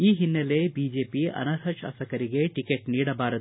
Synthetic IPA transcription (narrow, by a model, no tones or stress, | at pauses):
iːɦinːɐle̞biːd͡ʒe̞ːpiɐ̰nɐɾɦɐʃa̰ːsɐkɐɾiɡe̞ʈikeʈniːɽɐbaːɾɐd̪